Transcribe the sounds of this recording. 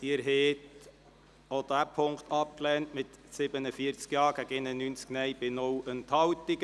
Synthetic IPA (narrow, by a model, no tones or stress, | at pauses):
d̥iːɾɦeːt | od̥̪æːpʰʊŋktɑp̚klɛːntmɪtsɪbənəfiəɾt͡skjɑːɾɡ̥æɡɪnənynt͡sknɛɪb̥ɪnɔwənthɑwtiɡ